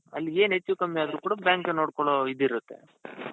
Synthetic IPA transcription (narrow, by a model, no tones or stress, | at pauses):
ɐ̰lːieːnɦet͡ʃːuʋkɐmːiaːd̪ɾuːkuːɽɐbjaːŋkeno̞ːɽkoɭoid̪ːiɾut̪ːe̞̰